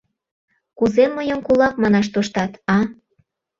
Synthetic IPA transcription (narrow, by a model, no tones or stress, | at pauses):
kuzeməjəmkulɑk̚mɑnɑʃ̬t̪oʃt̪ɑt̪ɑ